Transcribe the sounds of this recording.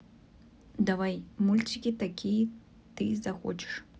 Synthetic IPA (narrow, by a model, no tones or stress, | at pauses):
d̪avajmulʲt͡ʃʲikʲit̪akʲʰijɛ | t̪ɨzaxɔ̰t͡ʃɪ̥ʂ